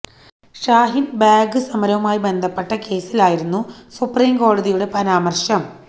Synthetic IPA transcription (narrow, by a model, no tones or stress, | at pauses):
ʂaːɦinbaːɡɨsɐmɐɾɐʋumaːjibe̞nd̪ʱɐpːeʈːɐke̞ːsilaːjiɾunːusupriːmko̞ːɽɐðijuɽe̞pɐɾaːmɐrɕɐm